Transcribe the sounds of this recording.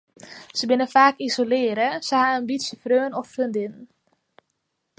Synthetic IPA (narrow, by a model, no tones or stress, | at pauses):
səbɪnəfaːkizolɪəɾəsəhaənbitsəfrøːnɔfrøndɪn